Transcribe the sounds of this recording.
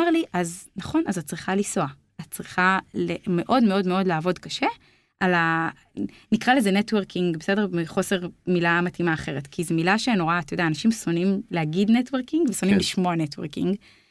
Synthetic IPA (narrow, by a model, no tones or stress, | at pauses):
aʁliʔaznaχo̞nazat̚t͡sʁiχaliso̞a | at̚t͡sʁiχaleme̞ʔo̞dmeo̞dme̞o̞dleavo̞dkaʃe̞ | ʔala | nikʁalezenetweʁkiŋɡbese̞demiχo̞se̞ʁmilamatimaːχe̞ʁetkʰizemilaʃenoʁaːt̪ajodaːnaʃimso̞nimlehaɡidnetweʁkiŋɡveso̞nimliʃmoanetwḛʁkḭŋɡ